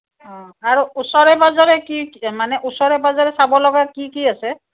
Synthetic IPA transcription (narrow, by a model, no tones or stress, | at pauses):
ɔ̃aɹuusɔɹɛbɔzaɹɛkimanɛʔusɔɹɛbɔzaɹɛsabɔlɔɡakikiasɛ